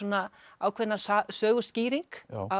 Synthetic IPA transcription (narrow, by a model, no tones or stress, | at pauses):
ɔnaaːwkʰvɛnasasœːɣʏsciːɾiŋka